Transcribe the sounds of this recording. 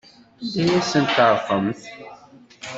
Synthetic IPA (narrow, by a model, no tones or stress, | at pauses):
dæjæsənt̪əɾˤfəmθ